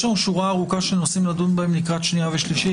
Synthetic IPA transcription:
aũʃuʁaʁukaʃenosimlad̪unbemnikat͡ʃniavɛʃliʃɛ

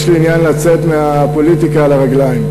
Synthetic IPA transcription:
ʃliinjanlat͡set̪meapo̞litikaːlaʁaɡlaim

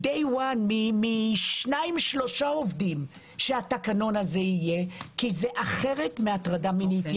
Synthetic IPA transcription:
dejwanmimiʃnaimʃlo̞ʃaovdim | ʃeatakano̞naze̞ije̞kizeʔaχe̞ʁetmeatʁadaminit

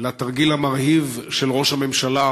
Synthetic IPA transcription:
lat̪aʁɡilhamaʁhivʃelʁo̞ʃhame̞mʃala

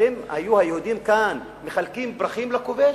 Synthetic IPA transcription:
emha̰juhajeud̪imkan | meχalkimbʁaχimlakove

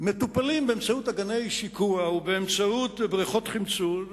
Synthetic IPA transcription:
metupalimbeemt͡sautaɡanejʃikuaubeːmt͡sautbʁiχo̞tχimt͡sul

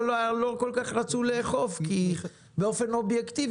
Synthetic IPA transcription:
lolo̞ko̞lkaχʁat͡suleːχo̞fki | beo̞fe̞no̞bjekt̪iv

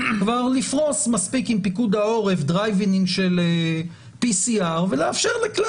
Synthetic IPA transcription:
kvaʁlifʁo̞smaspikimpikudao̞ʁe̞fd̪ʁajviniŋʃele | pisiaʁveleafʃeʁlekla

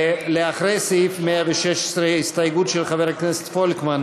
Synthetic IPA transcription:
leaχʁejsifmeaveʃeʃe̥sʁeist̪ajɡut̪ʃelχaveʁaknese̥t̪folkman

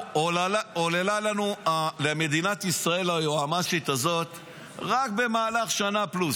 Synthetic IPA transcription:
olaaolelalanualeame̞d̪inat̪isʁae̞lajoamaʃit̪azo̞t̪ | ʁakbe̞maːlaχʃanaplus

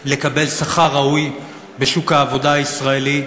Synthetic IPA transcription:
le̞kabe̞lsaχaʁauj | be̞ʃukhaːvo̞daaisʁaeli

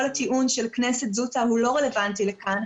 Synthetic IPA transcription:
olat̪iʔunʃe̞lknese̞t̪zutaɦulo̞ʁele̞vantilekan

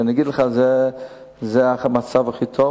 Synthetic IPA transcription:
nəɡidlˠəχazɛ | zeːamat͡savaχiːtʰɔ

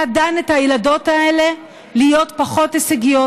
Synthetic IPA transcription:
adanethajilado̞tae̞le̞ | lijo̞tpaχo̞teseɡijo

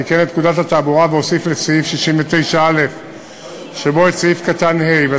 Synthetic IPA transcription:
ikenet̪nkudat̪hat̪aːbuʁaveo̞siflet͡seifʃiʃimvet̪e̞jʃaale̞f | ʃebo̞et͡sifkat̪anhejve

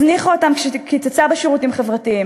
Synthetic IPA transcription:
zniχotamkʃekit͡sat͡sabeʃeʁutimχevʁatiim

